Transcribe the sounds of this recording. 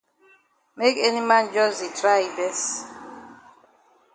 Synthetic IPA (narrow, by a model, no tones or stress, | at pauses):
mekɛnimãnd͡ʒɔzitʰɾaibɛs